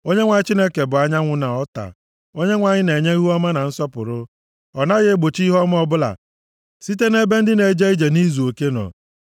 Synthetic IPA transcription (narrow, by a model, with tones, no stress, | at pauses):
o˦ɲe˦ŋʷa˨ɲɪ˦t͡ʃi˦ne˦ke˨bʊ˨a˦ɲa˦ŋʷʊ˦na˨ɔ˦ta̰˨ | o˦ɲe˦ŋʷa˨ɲɪ˦ne˨ɲe˦ɦu˦ɔ˦ma˦na˨n̩˦sɔ˦pʊ̰˨ɾʊ˦ | ɔ˨na˦ɣɪ˦e˦ɡ͡bo˨t͡ʃi˦ɦɔ˦m˦ɔ˦bʊ˦la̰˨ | si˦t̬e˦ne˦be˦n̩˦dɪ˦ne˨d͡ʒe˦i˦d͡ʒe˨ni˦zu˨o˨ke˦nɔ̰˨